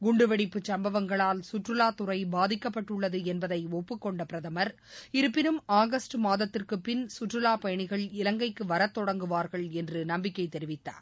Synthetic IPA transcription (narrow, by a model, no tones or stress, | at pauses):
ɡʊɳɖɯʋɛɽɪpːɯt͡ʃɐmbɐʋɐŋɡɐɭaːlsʊʈrɯlaːt̪ʊɾɐɪbaːðɪkːɐpːɐʈːɯɭːɐðɯɛnbɐðɐɪɔpːɯkːɔɳɖɐpɪɾɐðɐmɐɾ | ɪɾɯpːɪnɯmaːɣɐsʈɯmaːðɐt̪ːɪrkɯpːɪnsʊʈrɯlaːpɐjɐɳɪɣɐɭɪlɐŋɡɐɪkːɯʋɐɾɐt̪ːɔɽɐŋɡɯʋaːɾɣɐɭɛndrɯnɐmbɪkːɐɪt̪ːɛɾɪʋɪt̪ːa̰ː